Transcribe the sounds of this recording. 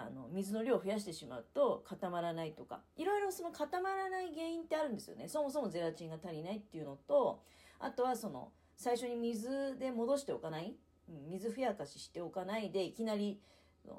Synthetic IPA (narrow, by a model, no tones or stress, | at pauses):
a̰no̞̰mʲizɨno̞ɾʲo̞ːɸɯjaɕ̬i̥t̪e̞ɕima̰ɯ̟t̪o̞kʰat̪amaɾanait̪o̞ka̰iɾo̞iɾo̞so̞no̞kʰat̪amaɾanaiɡe̞ːĩnt̪ːe̞aɾɯ̟̃nd̪e̞sɨjo̰ne̞so̞mo̞s̬o̞mo̞ze̞ɾat͡ɕĩŋɡat̪aɾʲinait̪ːe̞jiɯ̟no̞t̪o̞ | a̰t̪o̞βaso̞no̞̰ | saiɕo̞ɲ̟imʲizɨd̪e̞mo̞d̪o̞ɕi̥t̪e̞okanai | ɯ̟̃mʲizɨɸɯ̟jakaɕi̥ɕi̥t̪e̞o̞kanaid̪e̞ikʲinaɾʲi | o̰